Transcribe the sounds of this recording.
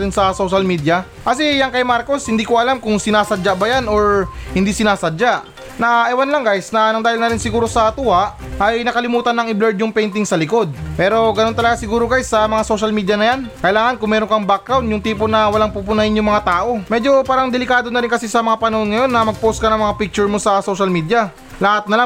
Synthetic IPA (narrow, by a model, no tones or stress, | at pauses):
ɾɪnsɐso̞ʃɐlmiːd̪jɐ | kɐsɛjankɐjmaɾko̞shɪnd̪iːkoʔɐlamkʊŋsɪnaːsɐd͡ʒabɐjano̞ɹhɪnd̪isɪnaːsɐd͡ʒaʔ | nɐʔɛwanlɐŋɡajsnɐnɐŋd̪aːhɪlnɐɾɪnsɪɡuːɾo̞sɐt̪ʊʔaʔ | ʔɐjnɐkɐlɪmuːt̪ɐnːɐŋɪblɛɹd̪jʊŋpɛjnt̪ɪŋsɐlɪko̞d̪̚pɛːɾo̞ɡɐnont̪ɐlɐɡasɪɡuːɾokajsɐmɐŋaso̞ʃɐlmiːd̪jɐnɐjankɐjlaːŋɐnkʊŋmɛːɾoŋkɐŋbak̚ɾawnjʊŋt̪iːponɐwɐlaŋpupʊnahɪnjʊŋmɐŋat̪aːʔo̞mɛd͡ʒo̞paːɾɐŋd̪ɛlɪkaːd̪o̞nɐɾɪnŋkɐsisɐmɐŋapɐnɐhonŋɐjo̞nːɐmɐɡ̚post̪̚kɐnɐŋmɐŋapik̚t͡ʃʊɹmo̞sɐso̞ʃɐlmiːd̪jɐ | lahɐt̪̚nɐla